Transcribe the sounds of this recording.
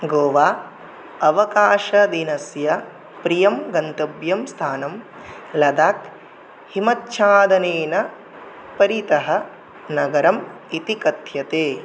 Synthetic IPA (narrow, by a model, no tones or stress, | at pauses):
ɡoːʋaː | ɐʋɐkaːʃɐd̪inɐsjɐ | pɾijɐmɡɐnt̪ɐbjɐmst̪ʰaːnɐm | lɐd̪aːk | himɐt̪ʃʰaːd̪ɐneːnɐ | pɐɾit̪ɐɦɐ̆ | nɐɡɐɾɐm | it̪ikɐt̪ʰjɐt̪eː